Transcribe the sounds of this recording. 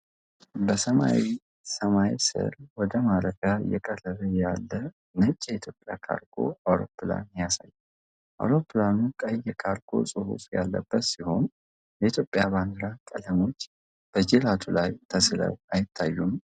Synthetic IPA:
bəsəma̰wi | səmajisɨ̰ɾwɔd̪əmaɾəfja̰jɛkʼələɾəjalːə | nət͡ʃʼːjɛit̪ʰjopʼjakʰa̰ɾɡo̞̰awɾo̞̰pːɨla̰njasajːɛ | ʔa̰wɾo̞pːɨlanukʼəjːɛkʰaɾɡʰo̞̰sʼɨhṵsʼja̰lːə̰bːət̪siho̞n | jɛit̪ʰjo̞pʼːjaband̪ɨɾakʼələmo̞t͡ʃː | b̥əd͡ʒelat̪ʰulajt̪ʰəslə̰wajɪt̪ʰːajːum

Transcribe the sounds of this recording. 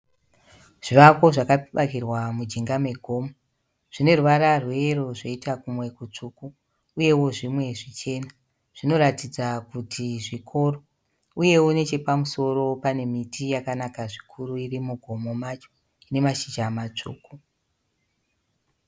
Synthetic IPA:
ʐ̥iʋako̞ʐakaɓakirwamud͡ʒiŋɡame̞ɡʱo̞ːmo | ʐ̥ine̞ruʋaɾarwe̞roʐeitakumwe̞kut͡ʂukuː | je̞wo̞ʐimwe̞ʐit͡ʃe̞na | ʐ̥ino̞ɾatid͡zakutʰiʐikʰo̞ro | uje̞une̞t͡ʃe̞pamuso̞ɾo̞pane̞mitʰijakanakaʐikʰuɾuirimuɡʱo̞mo̞mat͡ʃo̞̥ | ine̞maʃit͡ʃamat͡ʂṵːku

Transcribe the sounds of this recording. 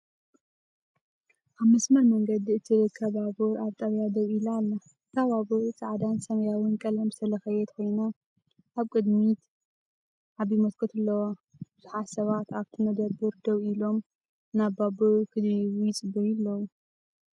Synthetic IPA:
ʔaβmɐsmɐɾmɐŋɡɐd̪iɨt̪ʰiɾɨkʰːɐβaβuɾʔaβt̪ʼɐβjad̪ɐwilalːɐ | k̪ʰaβaβɨɾt͡sʼaʕd̪ansɐmɐjawɨnkʼɐlɐmsɐlɐxɐjɛt̪ʰko̞jno | ʔaβkʼɨd̪mit̪ | ʔaβjimɐt̪kʰot̪ʰɨlːɐwa | b̥ɨz̥uħasɐβat̪aβt̪ʰɨmɐd̪ɐbɨɾd̪ɐwilo̞m | naβabɨɾkʰɨd̪iβujɪt͡sʼɨbɐjɪlːɐwu

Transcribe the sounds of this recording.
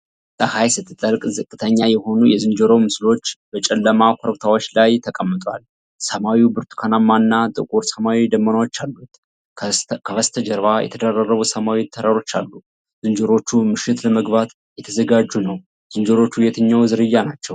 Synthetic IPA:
t̪ʼəhajsɨt̪ʰːɨt̪ʼːəɾkʼzɨkʼːɨt̪ʰəɲːajɛho̞nujɛzɨnd͡ʒəɾo̞mɨslo̞t͡ʃːb̥ət͡ʃʼɛlːəmakʷʰɔɾbt̪ʰawo̞t͡ʃːlajt̪ʰəkʼəmːɨt̪ʼwa̰l | səmawibɨɾt̪ʰu̥kʰanamːanːat̪ʼɨkʼuɾsəmawid̪əmːənawo̞t͡ʃːalːut̪ | kʰəβəst̪ʰəd͡ʒəɾβajɛ̰t̪ʰəd̪ərːərːəβusəmawit̪ʰəɾaɾo̞t͡ʃːa̰lːu | zɨnd͡ʒəɾo̞t͡ʃːumɨʃɪt̪ləməɡbat̪ | jɛt̪ʰəzəɡad͡ʒːunəw | z̥ɨnd͡ʒəɾo̞t͡ʃːujɛt̪ʰɨɲːawzɨɾɨjːanat͡ʃːɛw

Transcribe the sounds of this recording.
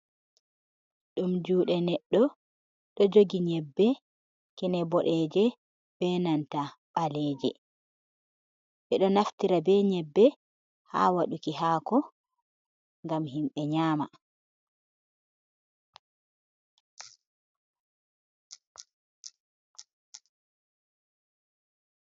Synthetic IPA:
ɗumd͡ʒuːɗɛnɛɗːɔ | ɗɔd͡ʒoɡiɲɛbːɛ | kɛnɛbɔɗɛd͡ʒɛ | b̥ɛnanta | ɓalɛːd͡ʒɛ | ɓɛɗɔnaftiɾabɛɲɛbːɛ | ha̰ːwaɗukiɦaːkɔ | ŋɡamhimɓɛɲaːma

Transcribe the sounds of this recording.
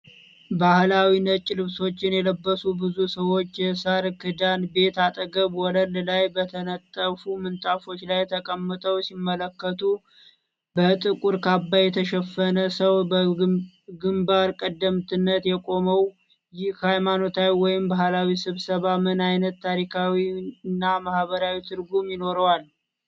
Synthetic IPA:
bahlawinət͡ʃʼːlɨβso̞t͡ʃːɪnjɛləbːəsubɨzusəwo̞t͡ʃːjɛsaɾkʰɨd̪anbe̞t̪at̪ʼəɡəβwɔləllajbət̪ʰənət̪ʼːəfumɨnt̪ʼafo̞t͡ʃːlajt̪ʰəkʼəmːɨt̪ʼəwsimːələkːət̪ʰu | bət̪ʼɨkʼuɾkʰabːajɛt̪ʰəʃɛfːənəsəwb | ɡɨmbaɾkʼəd̪ːəmt̪ʰɨnːət̪jɛkʼo̞məw | jɪhhajmano̞t̪ʰawiwɔjɪmbahlawisɨβsəβamɨnajnət̪ʰːaɾikʰawiɨnːamahβəɾawit̪ʰɨɾɡumjɪno̞ɾəwal

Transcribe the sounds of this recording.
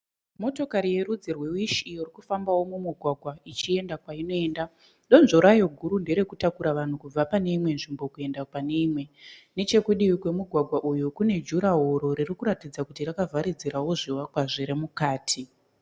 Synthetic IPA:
mo̞to̞kaɾije̞ɾud͡zirwe̞iʃijorikufambawo̞mumuɡʱwaɡʱwait͡ʃie̞ndakwaino̞e̞ːnda | ɗo̞nʐoɾajo̞ɡʱuɾunde̞ɾe̞kutakuɾaʋan̤ukub͡vapane̞imwe̞nʐimbo̞kue̞ndakane̞imwe̞ne̞t͡ʃe̞kuɗiwikwe̞muɡʱwaɡʱwaʔujukune̞d͡ʒuɾaɦoɾo̞ɾirikuɾatid͡zakutirakavʱaɾid͡ziɾawo̞ʐiwakwaʐiɾemukaːtʰi

